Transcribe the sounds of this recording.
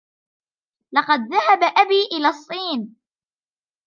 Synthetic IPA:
lɑqɑd̪̚ðahabaʔabiːʔɪlaːsˤːiːn

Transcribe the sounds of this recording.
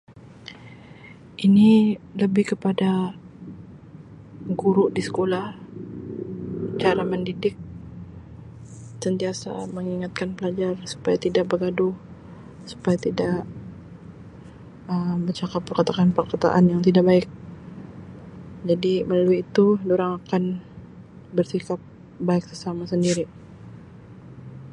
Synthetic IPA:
ʔiniləbɪhkəpada | ɡuɾʊʔdisə̥kolah | t͡ʃaɾaməndidɪk̚ | sənt̪iasa̰məŋiŋat̪̚kanpəlad͡ʒarsu̥pajat̪idaʔ̚bəɡadʊh | su̥pajat̪idaʔ | əbət͡ʃakapːərkət̪akanpərkət̪a̰ʔanjaŋt̪idaʔbaɪk̚ | d͡ʒadiməlaluiːt̪udoɾaŋakan | bərsikap̚ | baɪksəsamasəndiɾi

